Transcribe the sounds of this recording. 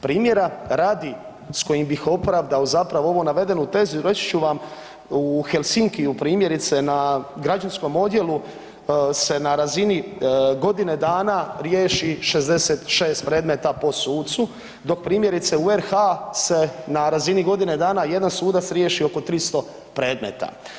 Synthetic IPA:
pɾiːmje̞ɾaɾaːd̪i | sko̞jimbixo̞pɾaʋd̪aozapɾaʋoo̞ʋonaʋe̞d̪e̞nut̪e̞zuɾe̞t͡ɕt͡ʃuʋam | uxe̞lsiŋkiupɾiːmje̞ɾit̪se̞naɡɾad͡ʒansko̞mo̞d̪je̞lu | se̞naɾaziniɡo̞d̪ine̞d̪aːnaɾjeːʃiʃe̞zd̪e̞set̪ʃe̞ːst̪̚pɾe̞ːd̪me̞t̪apo̞suːt̪t̪su | d̪o̞k̚pɾiːmje̞ɾit̪seueɾxase̞naɾaziniɡo̞d̪ine̞d̪aːnaje̞d̪ansuːd̪at̪sɾjeʃio̞ko̞t̪ɾist̪o̞ | pɾe̞ːd̪mḛt̪a̰

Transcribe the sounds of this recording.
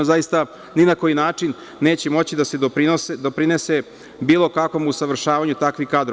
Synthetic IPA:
zajist̪a | ninako̞jinaːt͡ʂinː | e̞ːt͡ɕemo̞t͡ɕid̪ased̪opɾinosd̪o̞pɾinese | biːlˠo̞kakʋo̞musaʋr̩ʃaːʋaɲut̪akʋixkaːd̪ɾ

